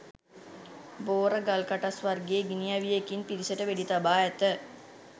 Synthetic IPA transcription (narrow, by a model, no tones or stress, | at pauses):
boːɾəɡalkaʈasʋarɡeːɡinijaʋijekinpiɾisəʈəʋeɖit̪abaːæt̪ə